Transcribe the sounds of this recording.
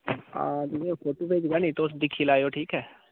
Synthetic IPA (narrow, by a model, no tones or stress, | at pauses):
aːd͡ʒɪʋĩõːpʰoːʈoːpeːd͡ʒɡɛːniːt̪oʊsd̪ɪkʰːiːlaːjoːʈʰiːkɦɛː